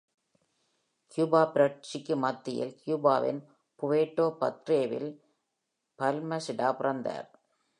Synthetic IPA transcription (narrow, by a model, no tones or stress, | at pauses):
kjuːbaːpɪɾɐt͡ʃɪkːɯmɐt̪ːɪjɪ̰lkjuːbaːʋɪ̰n | pʊʋeːʈːoːpɐ̰t̪ɾeːʋɪ̰l | pɐlmɐsɪɽaːpʊrɐnd̪a̰ːɾ